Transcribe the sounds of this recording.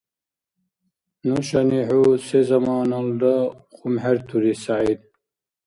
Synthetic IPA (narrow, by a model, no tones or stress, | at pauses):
nuɕɐniɦusezɐmaːnɐld̪ɐxumheɾt̪ʰuɾisaʕid̪